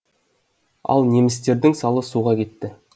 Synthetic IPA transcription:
ɑ̰lˠne̞mɪst̪e̞ɾd̪ɪŋsɑlˠəsuʁɑkʲe̞t̪ːɪ

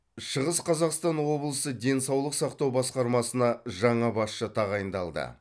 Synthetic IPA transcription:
ʃəʁəsqʰɑzɑqst̪ɑnwo̞blˠəsəd̪e̞nsɑwlˠəqsɑqt̪ɑwbɑsqɑɾmɑsənɑʒɑɴɑbɑsʃət̪ʰɑʁɑjənd̪ɑlˠd̪ə̰

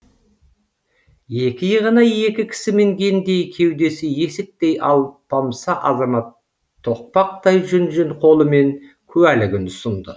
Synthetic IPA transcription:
je̞kʲɪjəʁənɑje̞kʲɪkʲʰɪ̥sɪme̞ŋɡʲe̞nd̪e̞jkʲʰe̞wd̪e̞sɪje̞sɪk̚t̪e̞jɑ̰lˠpʰɑmsɑʔɑzɑmɑt̪ʰː | o̞q̚pɑq̚t̪ɑjʒʏnʒɪnqʰo̞lˠəme̞ŋ | kʲʰɵælɪɡʲɪnʊsənd̪ə

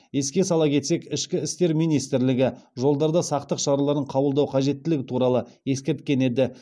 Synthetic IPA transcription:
je̞skʲe̞sɑlˠɑkʲʰe̞t̪se̞kɪʃkʲɪɪst̪e̞ɾmijnijst̪ɪɾlɪɡʲɪʒo̞lˠd̪ɑɾd̪ɑsɑqt̪əqʃɑɾɑlˠɑɾəɴqʰɑbəlˠd̪ɑwqʰɑʒe̞t̪ːɪlɪɡʲɪt̪ʰuɾɑlˠə | je̞skʲe̞ɾt̪̚kʲe̞ne̞d̪ɪ

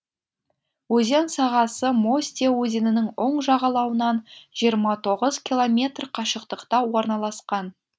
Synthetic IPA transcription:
wɵze̞nsɑʁɑsəmo̞sʲt̪ʲewɵzenɪnɪŋo̞ɴʒɑʁɑlˠɑwənɑnʒ̥ijəɾmɑt̪ʰo̞ʁəzkʲilˠo̞mʲe̞t̪rqʰɑʃəqt̪əqt̪ɑwo̞ɾnɑlˠɑsqɑn

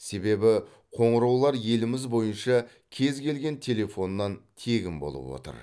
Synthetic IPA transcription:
se̞be̞bɪ | qʰo̞ɴəɾɑwlˠɑɾje̞lɪmɪzbo̞jənʃɑ | kʲʰe̞zkʲe̞lɡʲe̞nt̪ʲʰe̞le̞fo̞nːɑnt̪ʰe̞ɡʲɪmbo̞̰lˠə̰pwo̞̰t̪ə̰ɾ

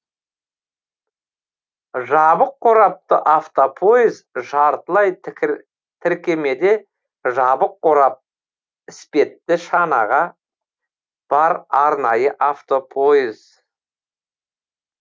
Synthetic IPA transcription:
ʒɑbəqːoɾɑp̚t̪əʔaft̪opʰo̞izʒɑɾt̪əlˠɑj | t̪ʰɪɾkʲe̞me̞d̪e̞ | ʒɑbəqːoɾɑp̚ | ɪspe̞t̪ːɪʃɑnɑ̰ʁɑ | b̥ɑɾɑɾnɑjəʔaft̪o̞pʰoiz

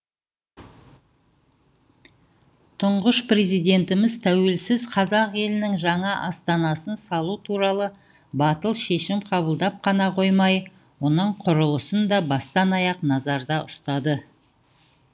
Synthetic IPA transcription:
t̪ʰʊɴʁəʃpre̞zijd̪e̞nt̪ɪmɪzt̪ʰæwe̞lsɪzqʰɑzɑqe̞lɪnɪŋʒɑɴɑʔɑst̪ɑnɑsənsɑlˠut̪ʰuɾɑlˠə | bɑt̪əlˠʃe̞ʃɪmqʰɑbəlˠd̪ɑp̚qʰɑnɑqʰo̞jmɑj | wo̞nəɴqʰʊɾəlˠəsənd̪ɑbɑst̪ɑnɑjɑqnɑzɑɾd̪ɑʔʊst̪ɑd̪ə

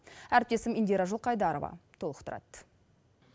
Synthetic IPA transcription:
æɾɪp̚t̪e̞sɪmind̪eɾɑʒʊlˠqɑjd̪ɑɾovɑ̰t̪ʰolˠə̥qt̪ʰʊɾɑ̰t̪

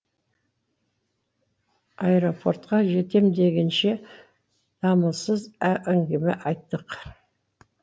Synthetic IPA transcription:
ejɾo̞pʰo̞rt̪qɑʒe̞t̪e̞md̪e̞ɡʲɪnʃe̞ | d̪̥ɑməlˠsəzæʔæŋɡʲɪmɪʔɑjt̪ːəq

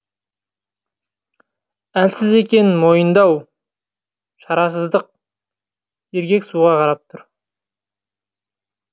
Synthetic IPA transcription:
ælsɪze̞kʲe̞nɪmo̞jənd̪ɑw | ʃɑɾɑs̬əzd̪əq̚ | je̞ɾkʲe̞ksuʁɑqʰɑɾɑp̚t̪ʰʊɾ

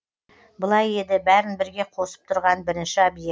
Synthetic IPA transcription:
bʊlˠɑje̞d̪ɪbæɾɪnbɪɾɡʲe̞qʰo̞sə̥p̚t̪ʰʊɾʁɑnbɪɾɪnʃɪɑbije

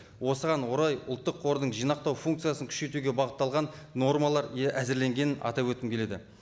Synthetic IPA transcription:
wo̞səʁɑnwo̞ɾɑjʊ̰lˠt̪ːəqʰo̞ɾd̪əɴʒijnɑq̚t̪ɑwfuŋk̚t̪sɨjasəŋkʰʏ̥ʃe̞t̪uɡʲebɑʁət̪ːɑlˠʁɑnːo̞rmɑlˠɑɾʔæzɪɾle̞ŋɡʲe̞nɪnʔɑ̰t̪ɑpwɵt̪ɪmkʲʰe̞le̞d̪ɪ

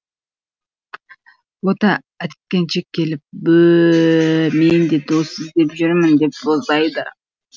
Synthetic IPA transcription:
wot̪ɑ | ækʲe̞nt͡ʃekʲʰːe̞lɪp̚bɵ | mend̪ed̪osɪzd̪e̞pʒʏɾmɪnd̪e̞p̚sozd̪ɑjd̪ə

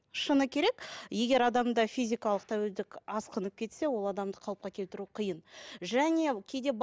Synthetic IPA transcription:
ʃənəkʲʰe̞ɾe̞kje̞ɡʲe̞ɾɑd̪ɑmd̪ɑfʲijzʲijkɑlˠəq̚t̪ʰæweld̪ɪkɑsqənəp̚kʲʰe̞t̪se̞wo̞lˠɑd̪ɑmd̪əqʰɑlˠp̚qɑkʲʰe̞lt̪ɪɾuqʰəjənʒæne̞kʲʰe̞jd̪e̞b

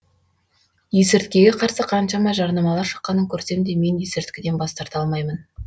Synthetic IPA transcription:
jesɪɾt̪kʲe̞ɡʲeqʰɑɾsəqʰɑnʃɑmɑʒɑɾnɑmɑlˠɑɾʃə̥qːɑnəŋkʲʰɵɾse̞md̪e̞me̞njesɪɾt̪kʲɪd̪e̞nbɑst̪ɑɾt̪ɑlˠmɑjmən

